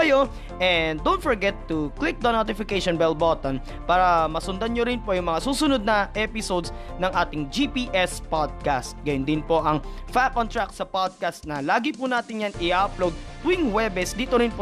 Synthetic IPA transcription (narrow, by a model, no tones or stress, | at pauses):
ɐjo | ʔɛnd̪ownt̪fɔɹɡɛt̪ːʊklɪk̚d̪ɐnot̪ɪfɪkejʃonbɛlbot̪on | paːɾɐmɐsʊnd̪anɲoɾɪnpo̞jʊŋmɐŋasuːsʊnod̪̚nɐʔɛpɪsod̪s | nɐŋʔaːt̪ɪŋd͡ʒipiːʔɛspod̪̚kast̪̚ɡɐjʊnd̪ɪnpo̞ʔɐŋfakʔɔnt̪ɹaksɐpod̪̚kast̪̚nɐlaːɡɪpʊnaːt̪ɪnjanɪʔaplowd̪̚t̪wɪŋwɛbɛsd̪iːt̪oɾɪnpo